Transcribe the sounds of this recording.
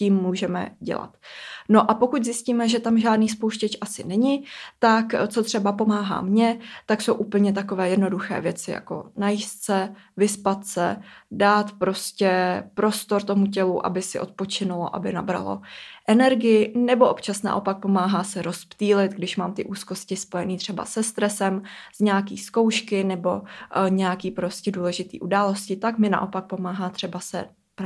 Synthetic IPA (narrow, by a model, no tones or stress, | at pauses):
ciːmːuːʒɛmɛ̰ɟɛ̰la̰t̪no̞ʔapokuczɪsciːmɛʒɛt̪amʒaːdniːspowʃcɛt͡ʃʔasɪnɛɲɪt̪akt͡so̞t̪r̝̥ɛbapo̞maːɦa̰ːmɲɛt̪akso̞wʔupl̩ɲɛt̪̬akovɛːjɛdno̞duxɛ̰ːvjɛt͡sɪja̰ko̞̰najist̪sɛ | vɪspat̪sɛdaːt̪pɾo̞scɛpɾo̞st̪o̞ɾt̪o̞muc̬ɛluʔa̰bɪsɪʔo̞t̪̚po̞t͡ʃɪnʊloʔa̰bɪnabɾa̰lo̰ʔɛnɛɾɡɪjɪnɛbo̞ʔopt͡ʃasna̰ʔo̞pak̚po̞maːɦaːsɛɾo̞spt̪iːlɪt̪ɡdɪʃmaːmt̪ɪʔuːsko̞scɪspo̞jɛniːt̪r̝̥ɛba̰sɛst̪ɾɛsɛmz̥ɲaːkḭːsko̞wʃkɪnɛbo̞ɲɛjakiːpɾo̞scɛduːlɛʒɪt̪ḭːʔudaːlo̞scɪt̪akmɪna̰ʔo̞pak̚po̞maːɦaːt̪r̥ɛbasɛ̰